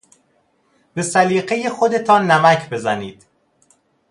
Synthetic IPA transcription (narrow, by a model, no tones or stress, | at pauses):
b̥e̞sæliːɢe̞je̞xo̞d̪e̞t̪ʰɒːnːæmæcʰbe̞zæniːd̪̥